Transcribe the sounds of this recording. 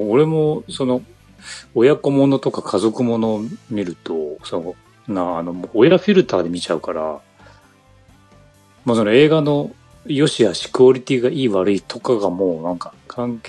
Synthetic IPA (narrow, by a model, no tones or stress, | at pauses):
oɾe̞mo̞so̞no̞ | ojako̞mo̞no̞t̪o̞kakʰazo̞kɯ̟mo̞no̞ːmʲiɾɯ̟t̪o̞sono | nãːno̞moːjaɸʲiɾɯ̟t̪aːd̪e̞mʲit͡ɕaɯ̟kaɾa̰ | moːso̞no̞e̞ːɡano̞ | jo̞ɕiβaɕi̥kɯoɾʲit̪ʲiɡaiːβaɾɯ̟it̪ʰo̞kaɡamo̞ːnãŋkakʰãŋk